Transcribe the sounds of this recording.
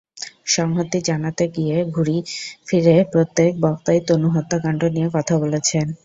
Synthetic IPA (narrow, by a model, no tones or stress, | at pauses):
ʃɔŋɦot̪ːid͡ʑanat̪eɡieɡʱuɾifiɾepɾot̪ːek̚bɔk̚t̪ajt̪onuɦot̪ːakaɳɖonijekɔt̪ʰabolet͡ɕʰen